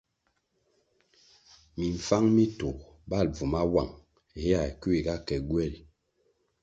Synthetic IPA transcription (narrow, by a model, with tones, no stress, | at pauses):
mi˨ɱ̩˨fa˦ŋmi˦to˨ | ba˦˨lb͡vu˨ma˦wa˦˨ŋ˨ | he˦a˨ku˦i˨ɡa˦kɛ˨ɡwɛ˦˨li˨